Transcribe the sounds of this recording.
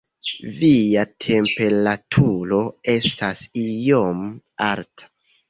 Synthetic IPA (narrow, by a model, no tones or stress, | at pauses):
vijatʰe̞mpe̞ɾatʰuɾo̞e̞stasijomaɾtʰḁ